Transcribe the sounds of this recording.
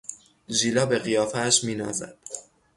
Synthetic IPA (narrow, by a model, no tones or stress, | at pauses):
ʒiːlɒːbe̞ɣijɒːfæʃmiːnɒ̰ːzæ̰d̪̥